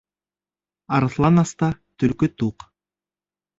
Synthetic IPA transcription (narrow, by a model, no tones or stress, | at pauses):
ɑɾɤθlˠɑnɑst̪ɑt̪ɵlkyt̪uq